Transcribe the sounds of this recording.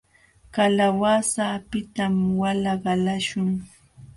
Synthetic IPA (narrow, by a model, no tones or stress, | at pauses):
kalawasaːpɪt̪amwalɑɢɑlaʃʊŋ